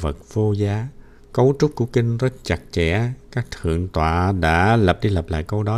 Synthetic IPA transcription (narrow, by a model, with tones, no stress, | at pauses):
və˨˩t̚v̥o˧zaː˨˦ | kə˨˦wt͡ɕʊ˦˥k͡p̚ku˧˩əkï˧ŋ̟zə˦˥t̚t͡ɕa˨˩k̚t͡ɕɛ˧˩kaː˦˥k̚t̪ʰɨ̰˧˨əŋt̪wa̰ː˧˨ɗa̰ː˧˥lə˨˩p̚ɗi˧lə˨˩p̚la̰ː˧˨jkə˧wɗɔ˨˦